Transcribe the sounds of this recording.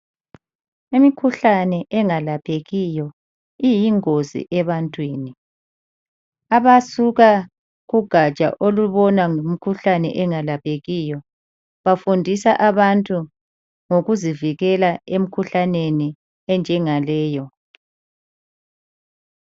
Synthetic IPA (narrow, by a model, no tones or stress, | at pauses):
imikʰuɬanɛʔɛŋalapʰeɣijɔ | ijiŋozḭʔɛβantʼwiːni | aβasuɣa | ɣuɡ̥ʱat͡ʃʼa̰ʔoluβɔnaŋumikʰuɬanɛ̰ʔɛŋalapʰʼeɣijɔ | βafundʱisaʔaβantʼu | ŋoɣuziviɣɛlaem̩kʰuɬaneni | ɛnd͡ʒʱɛŋalɛːjɔ